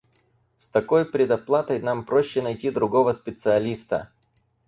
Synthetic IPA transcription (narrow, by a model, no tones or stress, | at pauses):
st̪ɐko̞jpɾʲɪd̪ɐplˠat̪əjnampɾoɕːɪnɐjtʲid̪ɾʊɡo̞vəspʲɪt̪sɨɐlʲist̪ə̰